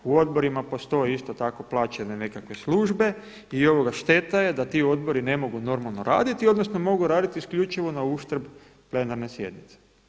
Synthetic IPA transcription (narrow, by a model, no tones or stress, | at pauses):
uo̞d̪bo̞ɾimapo̞st̪o̞jeist̪o̞t̪ako̞plˠaːt͡ʃenene̞kakʋe̞sluːʒbe̞ | io̞ʋo̞ɡaʃt̪e̞t̪aje̞d̪at̪io̞d̪̚bo̞ɾine̞mo̞ɡuno̞ɾmalˠnoɾa̰ːd̪it̪io̞d̪no̞sno̞mo̞ɡuɾaːd̪it̪iskʎʲut͡ʃiʋo̞nauʃt̪ɾ̩b | ple̞naɾnesje̞d̪nit̪se̥